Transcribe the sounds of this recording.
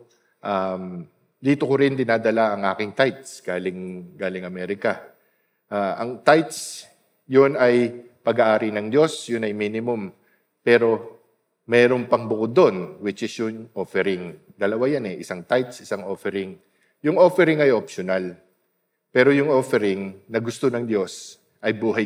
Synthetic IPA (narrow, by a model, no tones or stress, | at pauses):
ʔam | d̪iːt̪o̞koɾɪnd̪ɪnaːd̪ɐlaʔɐŋʔaːkɪŋt̪ajt̪̚sɡ̥aːlɪŋɡaːlɪŋɐmɛːɾɪkɐ | ʔaʔɐŋt̪ajt̪s | jʊnɐj | pɐɡaʔaːɾinɐŋd̪jo̞sjʊnɐjminɪmʊm | pɛːɾo̞ | mɛːɾo̞npɐŋbʊkod̪onwɪt͡ʃʔɪsjʊŋʔofɛɾɪŋd̪ɐlɐwajanɛʔɪsaŋt̪ajt̪sʔɪsaŋʔo̞fɛɾɪŋ | jʊŋʔo̞fɛɾɪŋɐjʔopʃonal | pɛːɾo̞jʊŋʔo̞fɛɾɪŋnɐɡʊst̪o̞nɐŋd̪jo̞s | ʔɐjbuːɦɐj